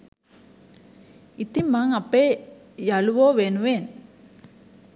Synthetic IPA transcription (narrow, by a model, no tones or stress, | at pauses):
it̪imːaŋɐpːe | jɐɭuʋoːʋeːnuʋeːn